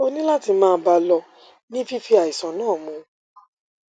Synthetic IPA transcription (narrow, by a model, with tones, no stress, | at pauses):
o˧nĩ˦la˦ti˧mãː˦˧˦ba˧lɔ˧ | nĩ˦fi˦fi˧a˨i˨sã˨˦nãː˦˨mũ˨˧